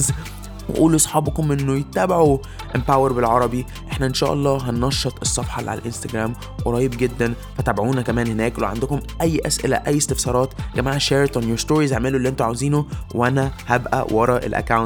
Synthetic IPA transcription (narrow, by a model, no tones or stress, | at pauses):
z | wḛʔuːlusˤħɑːbɑkomʔenːojet̪ːæːbaʕu | ʔempæweɾbelʕɑɾˤɑbi | ʔeħnæʔenʃæːʔɑ̰lˤːɑːɦɑnːɑʃːɑt̪ˤesˤːɑfħɑla̰ʕa̰lʔenst̪æɡɾæːm | weɾˤɑːjːebɡed̪ːæn | fæt̪ːæːbʕuːnækæmæːnhenæːklḛʕand̪ʊkomʔæjːʔæsʔḛlæ̰ʔæjːest̪efsɑːɾˤɑːt̪ɡæmaːʕæʃeːɾt̪ænjoɾst̪oːɾizʕmelolːiʔent̪ʊʕawziːnowʔænæhæbʔæ̰wʔɑɾˤɑʔḛlʔæ̰kːawn